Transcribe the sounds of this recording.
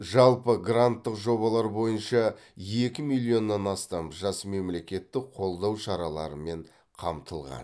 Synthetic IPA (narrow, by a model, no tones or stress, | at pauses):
ʒɑlˠpəɡrant̪ːəqʒo̞βɑlˠɑɾbo̞jənʃɑje̞kʲɪmilʲˠio̞nːɑnɑst̪ɑmʒɑsme̞mle̞kʲe̞t̪ːɪqʰo̞lˠd̪ɑwʃɑɾɑlˠɑ̰ɾəme̞ɴ | qʰɑmt̪ʰəlˠʁɑ̰n